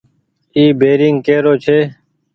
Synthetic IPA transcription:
iːbeːɾɪŋɡkeːɾoːt͡ʃʰeː

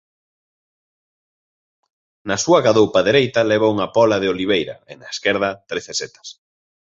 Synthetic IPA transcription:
nɐsuɐkaðowpɐðeɾejt̪ɐleβ̞auŋɐpɔlɐð̞eoliβ̞ejɾɐ̰ɪ̰nɐeskɛɾð̞ɐt̪ɾeθeset̪ɐ̥s

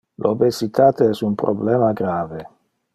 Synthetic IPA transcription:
lobesit̪aːt̪eɛsumpɾʔoblɛːmaɡɾaːve

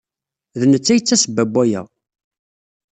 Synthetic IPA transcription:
ðnət͡sːæjət͡sːæsəbæbːæjæ̰

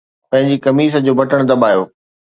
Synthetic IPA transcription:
pɐ̃ɦɪ̃ɲd͡ʑikɐmiːs̬əd͡ʑoːbʱɐʈəɽ̃d̪ɐɓaːjoː

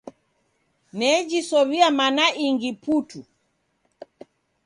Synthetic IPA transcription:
nɛd͡ʒisɔβiamanaʔiŋɡiputu

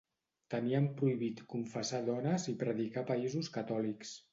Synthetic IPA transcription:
t̪əniəmpɾuiβit̪kuɱfəsaðɔnəzipɾəðikapaizuskat̪ɔliks

